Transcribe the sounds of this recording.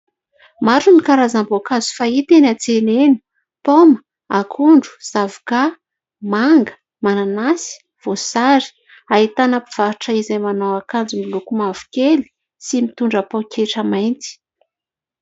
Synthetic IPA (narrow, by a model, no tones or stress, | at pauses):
maɾunikaɾazambokazu̥fait̪enat͡senenə̥ | pomə | akʰuɳɖ͡ʐu̥z̥avuka | maŋɡə̥ | mananasi̥ | v̥osaɾi̥ | ait̪anapiv̥aɾuʈ͡ʂəizajmanawakand͡zumilukumav̥u̥kʲeli̥ | simit̪uɳɖ͡ʐəpokeʈ͡ʂəmajnt͡si̥